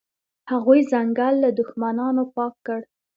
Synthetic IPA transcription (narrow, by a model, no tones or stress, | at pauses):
haɣujzaŋɡalːad̪ʊxmanɑnopɑkːəɽ